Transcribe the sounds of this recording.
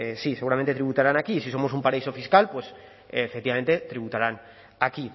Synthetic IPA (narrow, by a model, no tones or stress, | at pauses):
esise̞ɣuɾament̪eɾiβut̪aɾanakisiso̞mo̞s̬umpaɾaiso̞fiskalpwe̞s | efek̚t̪iβame̞nt̪e̞t̪ɾiβut̪aɾan | aki